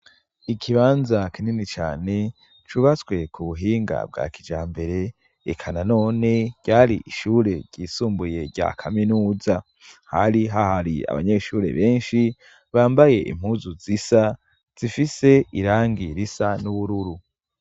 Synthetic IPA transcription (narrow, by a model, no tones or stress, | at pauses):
ikʰiβaːnzakininit͡ʃa̰ːne̞ | t͡ʃuβat͡sɡwe̞kʰuβuɦiːŋɡa̰b̚ɡa̰ːkid͡ʒaːmbe̞ɾe̞̰ː | kʰanano̞ːne̞ɟ̥aːɾiʔiʃuːɾe̞ɟɟ̥iːsuːmbuje̞ɾɟa̰kʰaminuːza | haɾiɦahaɾia̰βa̰ɲeʃuːɾe̞̰βe̞ːnʃi | βaːmbaje̞ʔḭm̥huːzuzisa | z̥ifise̞iɾaːŋɡiɾisanuβuɾuɾu